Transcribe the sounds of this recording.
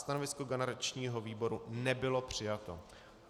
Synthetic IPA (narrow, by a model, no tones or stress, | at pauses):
st̪anovɪskoɡɛnɛɾat͡ʃɲiːɦo̞viːbo̞ɾunɛbɪlo̞pr̝̥ɪjat̪o̞̰